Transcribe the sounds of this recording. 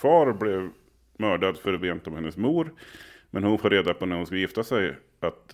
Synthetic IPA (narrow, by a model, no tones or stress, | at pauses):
fɑːɾblɛv | mœːɖad̪fœɾveːnt̪ɔmhɛnːəsmuːɾmʔɛnhʊnfoːɾeːd̪apʰɔnæɾhʊnskajɪft̪asɛj | at̪